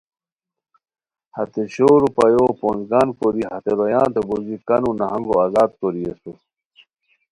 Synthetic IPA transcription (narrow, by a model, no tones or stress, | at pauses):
hɐt̪eɕoːɾupɐjoːpoːnzɡaːnkoɾiɦɐt̪eɾojãːnt̪ebozikɐnunɐɦɐŋɡoaːzaːd̪̚koɾiesus